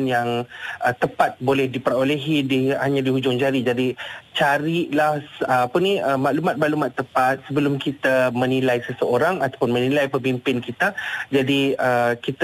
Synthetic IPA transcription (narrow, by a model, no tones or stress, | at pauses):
njaŋʔət̪əpat̪̚bolɛhdipəɾoleɦidihaɲãdiɦud͡ʒʊŋt͡ʃaɾid͡ʒadit͡ʃaɾiʔlahəapəniəmaʔlumat̪̚maʔlumat̪ːəpat̪̚səbəlʊmkit̪amənilajsəsəoɾaŋat̪apʊnmə̃nilajpəpimpɪnkit̪ad͡ʒadiəkit̪